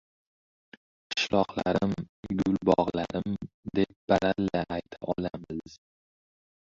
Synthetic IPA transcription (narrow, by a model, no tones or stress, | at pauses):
qʰɨ̥ʃlɒqla̰ɾɪmɡʊlbɒʁlaɾɪm | d̪ep̚b̥aɾalːaʔajt̪ʰaʔɒlamɪz